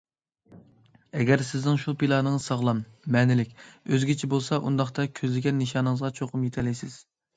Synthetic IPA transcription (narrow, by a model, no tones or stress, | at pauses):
ɛɡʲɛɾsɪznɪŋʃupilˠɑːnɨŋzsɑʁlˠɑmːɛnɪlɪkʲøzɡʲit͡ʃʰibolˠsɑʔund̪ɑχt̪ɑkʲʰøzlɪɡʲɛnːɨʃɑːnɨŋəzʁɑt͡ʃʰoqʰʊmjet̪ʰɛlɛjsɪz̥